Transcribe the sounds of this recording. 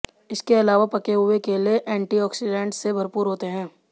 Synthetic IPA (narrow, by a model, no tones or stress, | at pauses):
ɪskeɐlaːʋapɐkeɦʊekelieʔɛ̃ːɳʈiɔːksɪɖɛ̃ːɳʈsebʱɐɾpuːɾɦoːt̪eɦɛ̃ː